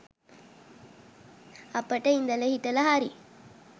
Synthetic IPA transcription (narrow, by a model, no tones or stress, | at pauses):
ɐpːɐʈːɐɪnd̪ɐlɐhɪʈ̪ːɐlɐɦaːɾi